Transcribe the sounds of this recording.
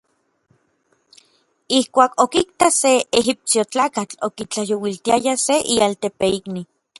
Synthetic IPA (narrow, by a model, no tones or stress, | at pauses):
ihkʷaːkokikt̪aseeɦip̚siot͡ɬaːkat͡ɬokit͡ɬajowilt̪iajaseʔialt̪epeikni